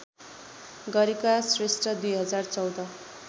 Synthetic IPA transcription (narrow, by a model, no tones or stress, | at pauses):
ɡʌɾikasresʈʌd̪ujɦʌd͡zart͡sʌwd̪ʌ